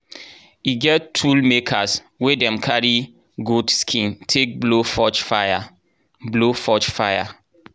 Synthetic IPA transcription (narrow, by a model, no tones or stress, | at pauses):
iɡɛttʰːulmekʰas | wedɛ̃mkʰaɹi | ɡudskʰĩntʰek̚blofɔt͡ʃfaja | blofɔt͡ʃfaja